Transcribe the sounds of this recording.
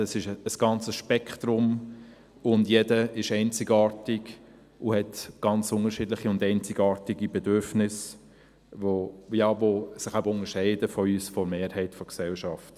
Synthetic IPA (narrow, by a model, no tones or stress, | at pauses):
əsɪʃəsɡ̥ɑnt͡səsʃpɛkχtɾʊm | ʊndjɛdəɪʃɛɪnt͡sɪɡɑːtɪɡ | ʊhɛtɡ̥ɑnt͡sʊŋəɾʃɪdlɪχiʊndɛɪnt͡sɪɡɑːɾtɪɡibɛdʏɾfnɪs | vojɑːvosɪχabəʊnəɾʃɛɪdəfɔyːsfɔɾmeːɾhɛɪtfɔksɛlʃɑft